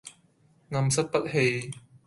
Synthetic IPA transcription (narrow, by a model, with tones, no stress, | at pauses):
ŋɐ˧msɐ˥t̚pɐ˥t̚he˧j